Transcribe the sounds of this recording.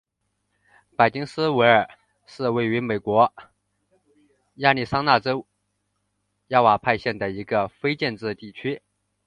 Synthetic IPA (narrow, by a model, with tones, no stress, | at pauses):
pa˨˩ɪt͡ɕi˥ŋsɹ̩˥we˧˥ɪə˞˨˩ | ʂɻ̩˥˧we˥˩ɪy˧˥me˨˩ɪkwɔ˧˥ | ja˥˧li˥˩ʂɑ˥ŋna˥˩ʈ͡ʂo˥ʊ | jɑ˥˩wa˨˩pʰa˥˧ɪɕjɛ˥˩nd̪ə˩i˧˥ɡə˧fe˥ɪt͡ɕjɛ˥˧nʈ͡ʂɻ̩˥˧t̪i˥˩t͡ɕʰy˥